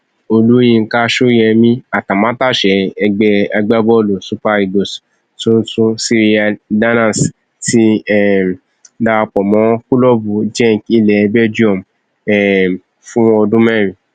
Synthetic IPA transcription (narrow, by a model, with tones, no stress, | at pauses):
o˧lu˦jĩ˧ŋ̩˨ka˦ʃu˦jɛ˧mĩ˦a˨ta˨mã˨˦ta˦˨ʃɛ˨˦ɛ˧ɡ͡bɛ˦a˧ɡ͡ba˦bɔ˦lo˨su˦pa˧i˨ɡo˨s | tũ˦tũ˦si˧ɾi˦a˧da˦nã˦˨s | ti˦ɛ˦˨ | da˧k͡pɔ˨mɔ̃˨˦ku˦lɔ˦bu˧d͡ʒɛ̃˦˨ŋ˨ki˧lɛ˨˧bɛ˦d͡ʒi˦ɔ˦˨m | ɛ˨ | fũ˦ɔ˧dũ˦mɛ̃˦˨ɾ̃ĩ˨